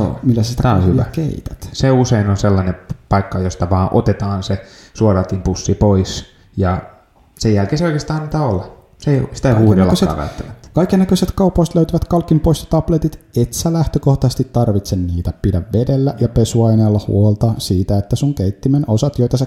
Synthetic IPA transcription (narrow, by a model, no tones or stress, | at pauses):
o̰ːmilːæsæsit̪æt̪æohyæ̰kḛit̪æ̥t̪seuseinonselːɑnepɑikːɑjost̪ɑʋɑːʔo̰t̪et̪ɑːnsesuoɾɑt̪impusːipois | jɑ | sejælkeːseoikest̪ɑːnniːt̪æolːɑ | seisi̥t̪æihːnolɑsḛʋæ̰yt̪ːæʋæt̪ːkɑikːenːækøset̪kɑupːˑoist̪løyt̪yʋæt̪kɑlkːimpoisjɑ̥t̪ɑplet̪it̪et̪sælæht̪økoht̪ɑsest̪it̪tɑrʋit̪senniːt̪æpidæʋʋedelːæjɑpesuɑineːlːɑhṵolt̪ɑsiːt̪æet̪ːæsuŋkeit̪ːimenosɑt̪joit̪ɑse